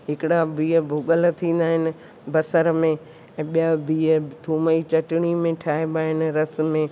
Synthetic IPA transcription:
ɦɪkɪɽabʱiːɦəbʱʊɠəl̆t̪ʰĩːn̆d̪aːɦɪnɪ̆ | bɐsəɾmẽ | ɛ̃ːɓijabʱiːət̪ʰuːməit͡ɕɐʈɪɽ̃imẽʈʰaːɪbaːɦɪnɪ̆ɾɐs̆mẽ

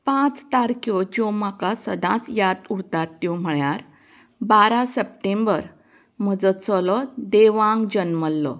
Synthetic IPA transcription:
pãt͡st̪aɾkjɔd͡ʑɔmakasəd̪ʱãt͡sjat̪uɾt̪at̪ːjɔm̤əɭjaɾ | baɾasəp̚ʈẽmbəɾ | m̤əd͡zət͡sɔlɔd̪eʋãŋɡd͡ʑənməlːɔ̰

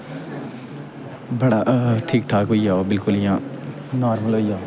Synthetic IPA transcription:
bɐɽaʈʰiːk̚ʈʰaːkɦoijaːobɪlkʊlɪɦãː | naːɾməlɦoːia

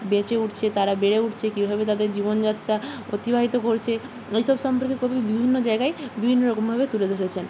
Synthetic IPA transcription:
bẽt͡ɕeuʈt͡ɕʰet̪aɾabeɽeuʈʰt͡ɕʰekibʱabet̪ad̪eɾd͡ʑibond͡ʑat̪ːɾaot̪ibʱaɦit̪okoɾt͡ɕʰe | ejʃɔbʃɔmpoɾkekubʱibibʱinːod͡ʑaeɡaebibʱinːoɾɔkombʱabet̪uled̪ʱoɽet͡ɕʰen

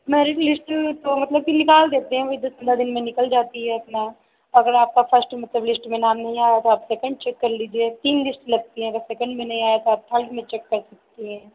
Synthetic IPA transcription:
mɛːɾɪʈlɪsʈmẽt̪omɐt̪ləb̚kinɪkaːld̪eːt̪eɦɛ̃ʋoɦid̪osɪ̃nd̪ad̪ɪnmẽnɪkəld͡ʒaːt̪iɦɛɐpna | ɐɡəɾaːp̚kapʰəɾsʈmɐt̪ləblɪsʈmẽnaːmnɐɦĩaːjat̪oaːpsɛːkə̃ɳɖ̚t͡ʃɛkːɐɾliːd͡ʒiet̪iːnlɪsʈlɐɡ̚t̪iɦɛ̃ɐɡəɾsɛːkə̃ɳɖmẽnɐɦĩaːjat̪oaːp̚ʈ̪ʰɐlʈmẽt͡ʃɛkːɐɾsɐk̚t̪iɦɛ̃ː

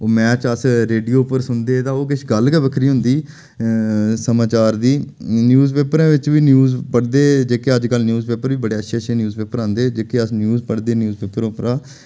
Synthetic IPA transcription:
oːmɛ̃ːt͡ʃəsɾeːɖijoːpəɾsʊnd̪eːt̪ãːoːk̬ɪʃɡəlkəʋəkʰɾiːɦʊ̃nd̪iː | səmaːt͡ʃaːɾd̪iː | njuːzpeːpɾãːʋɪt͡ʃʋiːnjuːzpəɽd̪eːd͡ʒeːkeːəd͡ʒkəlnjuːzpeːpəɾʋiːbəɽeːətːʃʰeːtːʃʰẽːnjuːzpeːpəɾãːnd̪eːd͡ʒeːkeəsnjuːzpəɽd̪eːnjuːzpeːpəɾʊpəɾaː

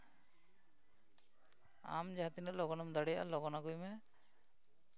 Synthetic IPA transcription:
a̰md͡ʒaɦat̪inəʔlɔɡɔnamɛd̪aɽɛjaʔa̰lɔɡɔnaɡujmɛ

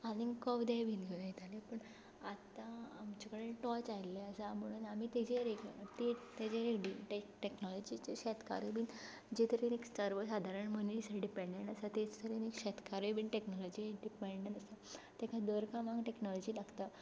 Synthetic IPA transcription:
aniŋɡkɔfd̪ebʱiːnɡʱeunjit̪alepəɳ | at̪ãːmt͡ɕakəɽeʈɔt͡sajleəsam̤əɽ̃uːnamit̪ed͡ʑeɾekt̪et̪ed͡ʑeɾekɽiʈeʈeknɔlɔd͡ʑit͡ɕeɕɛt̪ka̰ɾibin | d͡ʑet̪əɾeneksəɾʋəsad̪ʱaɾəɳmənnsəɖipeɳɖeɳʈasat̪ed͡zt̪ʰəɾenekɕɛt̪kaɾebinʈeknɔlɔd͡ʑiɖipeɳɖəɳʈasa | t̪ekʰad̪əɾkãmãɡʈeknɔlɔd͡ʑiːlaɡt̪a

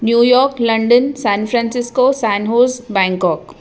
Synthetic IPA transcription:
njuːjɔːɾklɐ̃ɳɖənsɛ̃ːnfɾɛ̃ːnsɪskosɛːnɦoːzbɛ̃ːŋkɔːk

